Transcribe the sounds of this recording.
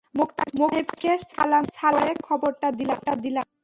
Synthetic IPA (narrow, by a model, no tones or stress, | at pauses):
mokt̪amoɦepkeɾsa̰lamsaɾoekʰɔboɾʈad̪ilaʈad̪ilan